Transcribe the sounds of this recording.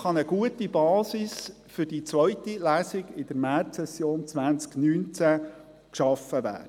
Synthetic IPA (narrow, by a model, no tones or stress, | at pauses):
χɑnəɡ̥uətibɑːsis | fʏɾd̥it͡sʋœʏtilæːsiɡɪd̪̥əɾmæːrtsɛsjoːnt͡sʋænt͡sknyːnt͡sæ | kʃɑfəʋæ̰ːdə